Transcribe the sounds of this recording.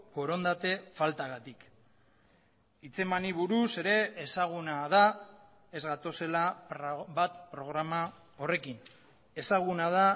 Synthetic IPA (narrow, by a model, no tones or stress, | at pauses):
po̞ɾo̞nd̪at̪e̞falt̪aɣat̪ik | it͡se̞maniβuɾuse̞ɾe̞ːsaɣ̞unað̞a | e̞zɣat̪o̞se̞lapɾbat̪pɾo̞ɣɾama | o̞re̞kin | e̞saɣ̞unað̞a